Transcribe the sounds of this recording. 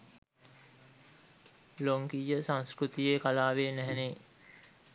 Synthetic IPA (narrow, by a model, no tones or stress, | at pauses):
loŋkijəsãŋskɾut̪ijeːkalaːʋeːnæɦɛne